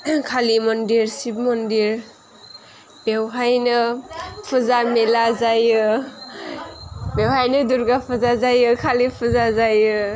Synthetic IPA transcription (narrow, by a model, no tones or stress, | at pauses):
kʰalimɔndiɾsip̚mɔndiɾ | bewɦajnɯpʰuzamelazajɯ | bewɦajnɯduɾɡapʰuzazajɯkʰalipʰuzazajɯ